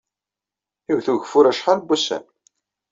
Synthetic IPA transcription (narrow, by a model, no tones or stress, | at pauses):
iwθuʝəfʊɾæʃħalbːusæ̰n